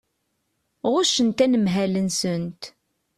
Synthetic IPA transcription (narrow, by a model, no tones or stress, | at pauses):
ʁʊʃənt̪ænəmɦælənsənt̪